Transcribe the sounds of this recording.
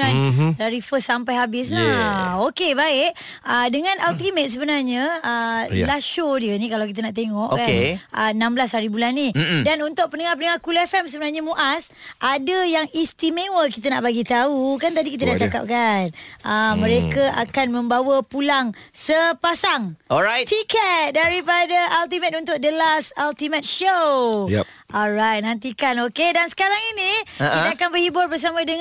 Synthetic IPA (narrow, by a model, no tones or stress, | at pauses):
anlaɾifəsampajɦabɪs̬laokebaɪʔ | ədəŋãnʔalt̪imə̃t̪̚səbənarɲəəlaʃodiənĩkalawkit̪̬ənaʔt̪eŋɔʔkanəənãmblashaɾibulanːidanunt̪ʊʔ̚pənəŋarpənəŋarkulɛfɛmsəbənarɲamũʔasʔadəjaŋist̪imẽwəkit̪ənaʔbaɡit̪aukant̪̬adikit̪̬ədat͡ʃaka̰p̚kanʔəmːə̃ɾekəa̰kanmə̃mbawəpulaŋ | səpasaŋɔajtt̪ikɛt̪̚daɾipadəʔalt̪̬imɛt̪̚unt̪ʊʔ̚dəlasalt̪imɛt̪̚ʃowj̰ | ɔlrajt̪̚nãnt̪̬ikanokedansə̥kaɾaŋinĩʔit̪aakanbərhibʊrbərs̬amãdəŋ